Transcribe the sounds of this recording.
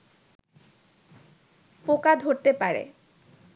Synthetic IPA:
pokad̪ʱoɾt̪epaɾḛ

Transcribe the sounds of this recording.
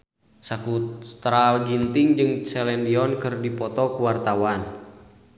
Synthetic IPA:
sakust̪ɾaɡint̪iŋd͡ʒɨŋsɛlɛndiɔnkɨrdipɔt̪ɔkuwart̪awan

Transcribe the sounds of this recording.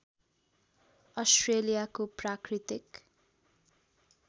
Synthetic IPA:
ʌsʈrelijakoprakrit̪ik

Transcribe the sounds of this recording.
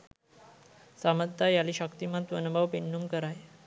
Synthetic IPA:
saməd̪t̪ːajaliːɕəkt̪imat̪ʋənbaʋpenːumkəɾaj

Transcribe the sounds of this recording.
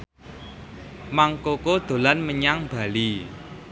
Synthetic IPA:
maŋkokod̪̥o̤lanməɲaŋb̥a̤li

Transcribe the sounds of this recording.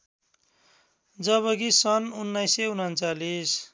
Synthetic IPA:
d͡zʌβʌɡisʌnunːajseunʌnt͡salis

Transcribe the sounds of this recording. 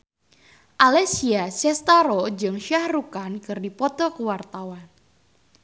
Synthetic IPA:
ʔalɛsiasɛst̪aɾɔd͡ʒɨŋʃahrukankɨrdipɔt̪ɔkəwart̪awan

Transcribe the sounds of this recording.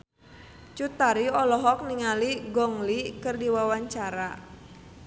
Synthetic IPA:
t͡ʃut̪aɾiɔlɔɦɔk̚niŋaliɡɔŋlikɨrdiwawaɲt͡ʃaɾa

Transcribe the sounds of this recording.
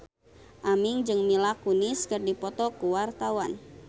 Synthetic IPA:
ʔamɪŋd͡ʒɨŋmilakunɪskɨrdipɔt̪ɔkuwart̪awan

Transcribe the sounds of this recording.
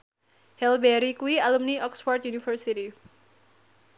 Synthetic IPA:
hɛlbɛɾikuialumniʔɔksfɔrt̪̚junifərsiti

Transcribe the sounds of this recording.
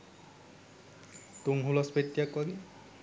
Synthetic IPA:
tuŋɦulɔspet̪ːjakwaɡi

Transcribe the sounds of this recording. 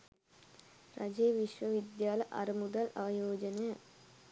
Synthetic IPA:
ɾɐd͡ʑeːʋiʃʋɐʋid̪jaːlɐʔɐ̰ɾimud̪ɐlɐʋɐjoːd͡ʑɐnejɐ

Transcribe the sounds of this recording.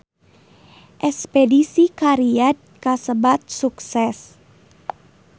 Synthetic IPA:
ʔɛspedisikaɾiat̪̚kasəbat̪̚suksɛs

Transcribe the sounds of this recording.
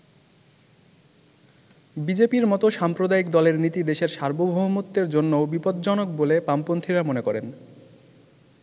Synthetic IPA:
bid͡ʑepiɾmɔt̪oʃampɾod̪aikd̪ɔleɾnit̪id̪eʃeɾʃaɾbobʱoɦumot̪ːeɾd͡ʑonːoobipod̪̚d͡ʑɔnok̚bolepampont̪ʰiɾamonekɔɾen

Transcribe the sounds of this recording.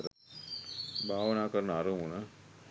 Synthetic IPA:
ɾ | bʱaːʋənaːkəɾənəaɾəmunə

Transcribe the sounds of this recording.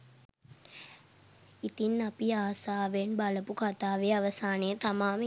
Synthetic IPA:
it̪inːapiaːsaːʋenbaləpukat̪aːʋeaʋəsaːnejət̪amaːm

